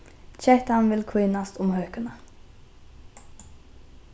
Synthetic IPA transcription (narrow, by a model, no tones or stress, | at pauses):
t͡ʃɛt̪əɑnʋɪlkʰwiːnɑst̪ʊmhøːkənə